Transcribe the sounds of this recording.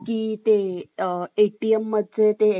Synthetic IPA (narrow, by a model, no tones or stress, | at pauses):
kiːt̪e | eʈiemːəd̪ʱd͡ʑet̪e